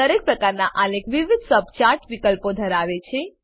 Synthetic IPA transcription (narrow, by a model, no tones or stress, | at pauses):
əɾek̚pɾəkaɾnaʔalekʋiʋid̪ʱsəb̚ʱt͡ʃaɾʈʋikəlpod̪ʱəɾaʋet͡ʃʰe